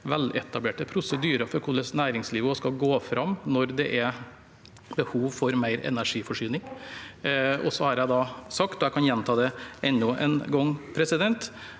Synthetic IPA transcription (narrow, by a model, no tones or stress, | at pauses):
ʋɛlɛt̪ɑbleːʈəpʰɾʊsəd̪yːɾəfɔɾkʰʊlːəsnæːɾɪŋsliːʋəskɑɡoːfɾʔɑmːnɔɾd̪ɛʔæ | bəhuːʋfɔɾmæɪɾɛ̰næʂiːfɔʂyːnɪŋ | ɔ̰sɔhɑɾjæɪd̪ɑːsɑkt̪ɔjæɪkʰɑnjɛnt̪ʰɑːd̪ɛʔɛnːʊʔɛ̰nɡɔŋpʰɾɛsɪd̪ɛnt̪